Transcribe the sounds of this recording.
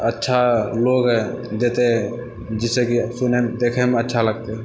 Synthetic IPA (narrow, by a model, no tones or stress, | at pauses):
ətːʃʰaloɡɦɛ | d̪et̪e | d͡ʒɪsekisunemd̪ekʰemətːʃʰaləɡ̚t̪e